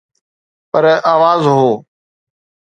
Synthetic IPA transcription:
pəɾʔaːʋaːzɦoː

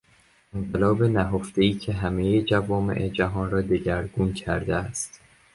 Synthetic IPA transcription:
enɢelɒːbe̞næɦoft̪e̞iːcʰe̞ɦæmejed͡ʒævɒːme̞̰ʔed͡ʒæɦɒːnrɒːd̪eɟæɾɡuncʰæɾd̪eæst̪

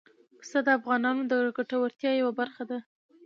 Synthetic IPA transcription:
ksad̪əafɣɑnɑnod̪əɡaʈawaɾt̪jɑjawabaɾxad̪a

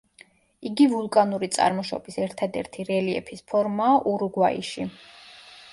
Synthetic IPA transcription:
iɡivulˠkʼanuɾit̪sʼa̰ɾmɔʃɔ̰bisɛɾt̪ʰad̪ɛ̰ɾt̪ʰiɾɛliɛ̰pʰispʰɔɾmaːʔuɾuɡwaḭʃi

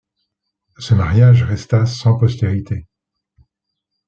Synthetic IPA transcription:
səmaʁjaʒʁɛst̪asɑ̃pɔst̪eʁit̪e

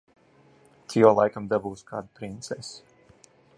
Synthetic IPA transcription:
t̪sʲialˠajkamd̪abuːskʰa̰ːd̪pɾint̪sɛs

